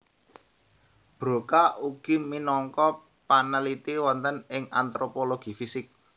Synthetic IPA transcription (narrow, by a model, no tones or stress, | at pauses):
b̥ɾo̤kauɡ̥iminɔŋkɔ | panəlit̪iwɔnt̪ənɪŋa̰nt̪ɾopoloɡ̥i̤fisɪk̚